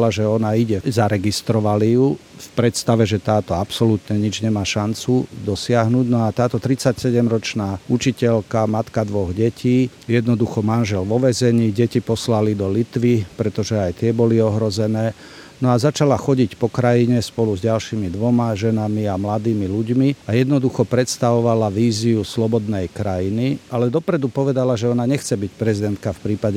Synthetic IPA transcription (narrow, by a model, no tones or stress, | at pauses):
laʒɛɔnaiɟɛzaɾɛɡist̪ɾɔʋalijufpɾɛt̪st̪aʋɛʒɛt̪aːt̪ɔapsɔlut̪ɲɛɲid͡ʒɲɛmaːʃant͡sud̪ɔsɪaɦnuɟnɔat̪aːt̪ɔt̪ɾit͡sacsɛɟɛmɾɔt͡ʃnaːut͡ʃicɛlkamat̪kad̪ʋɔɣɟɛciː | jɛd̪nɔd̪uxɔmanʒɛlʋɔʋɛzɛɲiːɟɛcipɔslalid̪ɔlit̪ʋipɾɛt̪ɔʒɛajt̪ɪɛbɔliɔɦɾɔzɛnɛː | nɔazat͡ʃalaxɔɟicpɔkɾajiɲɛspɔluzɟalʃimid̪ʋɔmaʒɛnamiamlad̪iːmiluɟmiajɛd̪nɔd̪uxɔpɾɛt̪st̪aʋɔʋalaʋiːziuslɔbɔd̪nɛjkɾajinialɛd̪ɔpɾɛd̪upɔʋɛd̪alaʒɛɔnaɲɛxt͡sɛbic̚pɾɛzid̪ɛnt̪kafpɾiːpaɟɛ